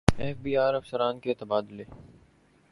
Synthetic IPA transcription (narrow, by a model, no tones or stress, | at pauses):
ɛːfbiːaːɾɐfsəɾaːnket̪ɐbaːd̪leː